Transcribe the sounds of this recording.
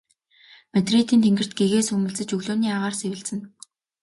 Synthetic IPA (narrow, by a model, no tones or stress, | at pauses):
met̪rit̪iːnt̪ʰeŋɡɘ̆r̥t̪̚ɡeɣeːsɵmɘ̆ɮt͡sɘ̆t͡ɕɵɣɮʊːniːaʁaːrsewɘ̆ɮt͡sɘ̆n